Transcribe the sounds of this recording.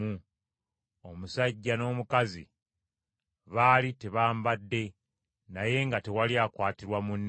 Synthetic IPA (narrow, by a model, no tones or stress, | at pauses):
u | omusaɟːano̞ːmukazḭ | βaːlite̞βaːmbadːe̞ | naje̞ŋɡate̞waljaːkwaːtiɾwamunː